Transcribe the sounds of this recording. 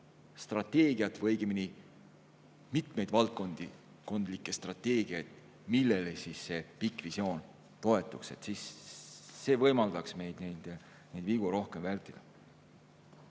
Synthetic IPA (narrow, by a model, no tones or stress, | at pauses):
st̪rɑt̪ːˑe̞ːɡiɑt̪ːvɤjɡimini | mit̪me̞jd̪̥vɑlt̪̚ko̞nd̪̥i | ko̞nd̪likˑːe̞st̪rɑt̪ːˑe̞ːɡ̥iɑjt̪ | milːelesisːe̞pikːˑvisio̞ːn | t̪o̞e̞t̪ːˑukse̞t̪sisː | e̞ːvɤjmɑld̪̥ɑksme̞jd̪̥nejd̪̥ | nejd̪viɡ̥uɾo̞hkemvælʲt̪ːˑid̪̥ɑ